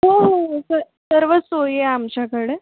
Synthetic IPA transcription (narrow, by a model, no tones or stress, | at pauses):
ɦoɦosə | səɾʋət͡sojeamt͡ɕjakəɽe